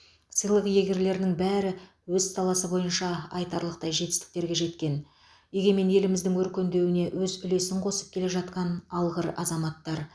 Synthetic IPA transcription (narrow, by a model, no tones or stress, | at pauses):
sɨjlˠəqje̞ɡʲe̞ɾle̞ɾɪnɪŋbæɾɪ | wɵzsɑlˠɑsəbo̞jənʃɑɑjt̪ɑɾlˠəq̚t̪ɑjʒe̞t̪ɪst̪ɪ̥k̚t̪e̞ɾɡʲe̞ʒe̞t̪kʲe̞n | je̞ɡʲe̞me̞nje̞lɪmɪzd̪ɪŋwɵɾkʲe̞nd̪e̞wɪne̞wɵzʏle̞sɪɴqʰo̞sə̥p̚kʲʰe̞le̞ʒɑt̪qɑnɑlˠʁəɾɑzɑmɑt̪ːɑɾ